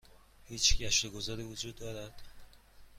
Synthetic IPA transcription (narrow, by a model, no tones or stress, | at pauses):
hiːt͡ʃɡæʃt̪eɡozɒɾiːvod͡ʒuːd̪ːɒːɾæd̪̥